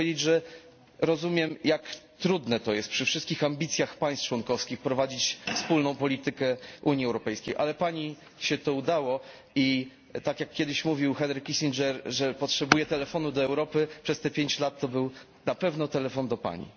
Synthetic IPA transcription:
ed͡ʑed͡ʑʐɛ | ɾɔzumʲjɛmjakt̪ɾud̪nɛt̪ɔjɛst̪pʂɘfʂɘst̪kʲixambʲit̪sʲjaxpaj̃st̪t͡ʂwɔnkɔfskʲixpɾɔvad͡ʑit͡ɕfspulnɔ̃w̃pɔlʲit̪ɘkɛʔuɲiɛwɾɔpɛjskʲḛjʔalɛpaɲi | ɕɛt̪ɔud̪awɔ | i | t̪akjakːʲɛd̪ɘɕmuvʲiwxɛnɾɘkːisʲind͡ʒɛɾʐɛpɔtʂɛbujɛt̪ɛlɛfɔnud̪ɔɛwɾɔpɘpʂɛst̪ɛpʲjeɲt͡ɕlat̪ːɔbɘw | napɛvnɔt̪ɛlɛfɔnd̪ɔpa̰ɲḭ

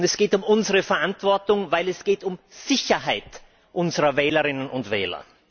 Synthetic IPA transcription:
ntɛsɡ̥eːtʊmʊnzəʁəfɛɐʔantv̥ɔɐtʊŋvaɪlɛsɡ̥eːtʊmz̥ɪçɐɦaɪt | ʔʊnzəʁɐvɛːləʁɪnənʔʊntv̥ɛ̰ːlɐ̰

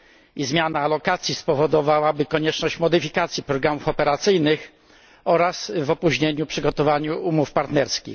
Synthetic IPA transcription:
izmʲjanaːlɔkat̪sʲjispɔvɔd̪ɔvawabɘkɔɲɛt͡ʂnɔɕt͡ɕmɔd̪ɘfʲikat̪sʲjipɾɔɡɾamufɔpɛɾat̪sɘjnɘx | ɔɾasvɔpuʑɲeɲupʂɘɡɔt̪ɔvaɲuʔumufpaɾt̪nɛɾskʲḭx

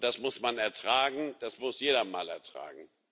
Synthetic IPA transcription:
d̥asmʊsmanɛɐtʁ̥aːɡŋ̩d̥asmʊsjeːɾɐma̰ːlɛ̰ɐtʁ̥a̰ːɡŋ̩

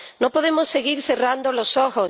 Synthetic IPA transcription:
nopoðemosːeɣ̞iɾθerand̪olosoxo

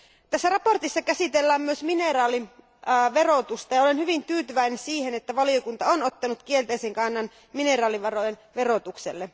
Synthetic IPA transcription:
t̪æsːærɑpo̞rt̪isːɑkæsit̪elːæːmmyøsminerɑːli | ʋero̞t̪ust̪ɑjɑolenhyʋint̪yːt̪yʋæinensiːhenet̪ːæʋɑliokunt̪ɑonot̪ːɑnut̪kielt̪ejseŋkɑnːɑn | mine̞rɑːliʋɑɾo̞jenʋe̞ro̞t̪ukselːe

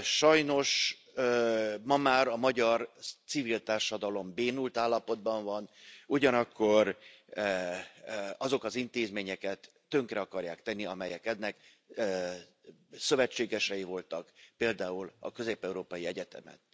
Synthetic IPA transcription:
ʃɒjno̞ʃ | mɒmaːɾɒmɒɟɒrt̪sivilt̪aːrʃɒd̪ɒlo̞mbeːnult̪aːlːɒpo̞d̪̚bɒɱvɒnuɟɒnɒkːo̞r | ɒzo̞kɒzint̪eːzmeːɲɛkɛt̪ːø̞ŋkrɛɒkɒrjaːkt̪ɛnːiɒmɛjɛkɛd̪ːɛkː | sø̞vɛt͡ʃːeːɡɛʃɛjivo̞lt̪ɒkpeːld̪aːulɒ̰kø̞zeːpɛuɾoːpɒjiɛɟɛt̪ɛ̰mɛ̰t̪

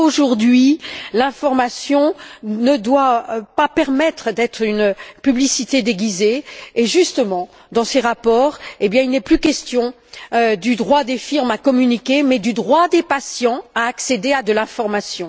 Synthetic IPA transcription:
oʒuʁd̪ɥilɛ̃fɔʁmasjɔ̃nəd̪wapapɛʁmɛt̪χd̪ɛt̪χynpyblisit̪ed̪eɡʲizeːʒyst̪əmɑ̃ | d̪ɑ̃seʁapɔːʁebjɛ̃ilnɛplykʲɛst̪jɔ̃ | ød̪yd̪ʁwad̪efiʁmakɔmynikʲemɛd̪yd̪ʁwad̪epasjɑ̃aːksed̪ead̪əlɛ̃fɔʁmasjɔ̃

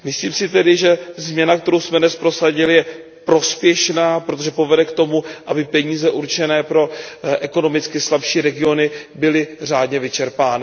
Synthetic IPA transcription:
mɪsliːmsɪt̪ɛdɪʒɛzmɲɛnak̚t̪ɛɾowsmɛnɛspɾo̞saɟɪlɪjɛ | pɾo̞spjɛʃnaːpɾot̪o̞ʒɛpo̞vɛdɛkt̪o̞muʔabɪpɛɲiːzɛʔuɾt͡ʃɛnɛːpɾo̞ʔɛko̞no̞mɪt͡skɪslapʃiːɾɛɡɪo̞nɪbɪlɪr̝aːdɲɛvɪt͡ʃɛɾpaːnɪ

